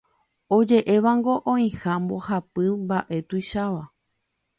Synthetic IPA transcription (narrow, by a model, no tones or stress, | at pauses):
o̞d͡ʒe̞ʔe̞ʋaŋɡo̞ʔõĩhãmbo̞hapɨmbaʔe̞t̪uiʃaʋa